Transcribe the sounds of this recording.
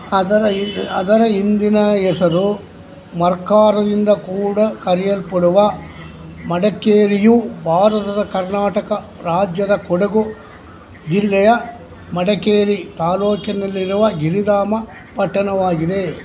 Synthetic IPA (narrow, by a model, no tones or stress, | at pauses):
ɐd̪ɐɾɐɐd̪ɐɾɐind̪inɐɛsɐɾu | mɐɾkaːɾɐd̪ind̪ɐkuːɽɐkɐɾijɐlpɐɽuʋɐ | mɐɽɐkeːɾijubʱaːɾɐt̪ɐd̪ɐkɐɾnaːʈɐkɐ | ɾaːd͡ʒjɐd̪ɐkɔɽɐɡu | d͡ʒilːɛjɐ | mɐɽɐkeːɾit̪aːloːkjɐnɐlːiɾuʋɐɡiɾid̪aːmɐ | pɐʈːɐnɐʋaːɡid̪e̞